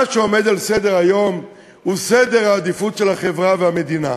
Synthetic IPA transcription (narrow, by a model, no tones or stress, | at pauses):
aʃeome̞d̪alsed̪eʁajo̞m | hused̪e̞ʁhaːd̪ifutʃelhaχe̞vʁavehamed̪ina̰